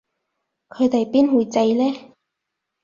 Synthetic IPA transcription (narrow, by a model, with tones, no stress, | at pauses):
kʰɵ˨˧ɥt̪e˨jpiː˥nwuː˨˧jt͡sɐ˧jlɛː˥